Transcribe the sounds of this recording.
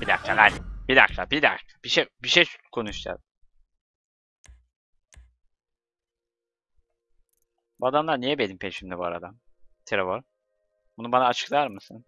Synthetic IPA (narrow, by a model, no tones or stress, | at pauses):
b̥id̪a̰k̪̚ʰalanbid̪a̰k̚t̪ʰabid̪a̰kʰḁbiʃebiʃejkʰo̞nuʃd͡ʒ̪ʰa̰z | b̥uad̪amlˠaɾnijɛbenimpʰeʃimd̪ɛbua̰ɾa̰d̪amt̪ʰeɾevoɾ | b̥unubanaːt͡ʃʰɯ̥klˠaɾmɯsɯn